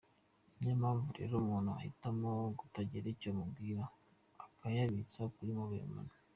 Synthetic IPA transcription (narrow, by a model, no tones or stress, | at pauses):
mɲemhaːɱvuɾḛɾomuːnhua̰hitamoɡutaɟiɾicomubɡiːɾa | akʰajaβit͡sakuɾimuβujḛma̰na